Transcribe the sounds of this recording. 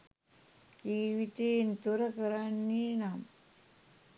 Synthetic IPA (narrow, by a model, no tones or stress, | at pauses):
iːʋit̪ent̪uɾɐkɐɾaːnːiːnaːm